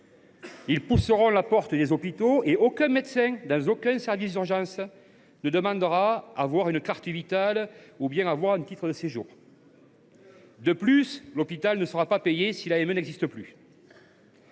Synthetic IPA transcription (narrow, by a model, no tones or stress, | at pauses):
ilpusəʁɔ̃lapɔʁt̪əd̪ezɔpit̪oeɔkɛ̃mɛt̪sɛ̃d̪ɑ̃zɔkɛ̃sɛʁvisd̪yʁʒɑ̃s | nəd̪əmɑ̃d̪əʁaavwaʁynəkaʁt̪əvit̪alubjɛ̃ŋavwaʁɛ̃nt̪it̪χəd̪əseʒṵːʁ | d̪əplyslɔpit̪alnəsəʁapapejesilaɛmənɛɡzist̪əply